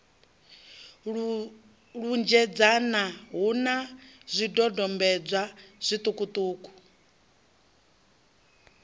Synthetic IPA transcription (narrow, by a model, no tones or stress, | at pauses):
ɺund͡ʒɛd͡zanaɦunazʷidɔdɔmbɛd͡zʷaz̥ʷit̪ʼukʼut̪ʼuːkʼu̥